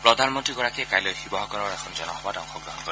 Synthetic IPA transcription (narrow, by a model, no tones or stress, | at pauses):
pɹɔdʱanmɔntɹiɡɔɹakɛkajlɔjxibɔɦɔkɔɹɔɹɛkʰɔnzɔnɔhɔbatawxɔɡɹɔɦɔnkɔi